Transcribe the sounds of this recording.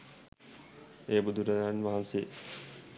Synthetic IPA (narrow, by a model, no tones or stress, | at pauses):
eːbud̪ʱuɾaɾanʋaɦanse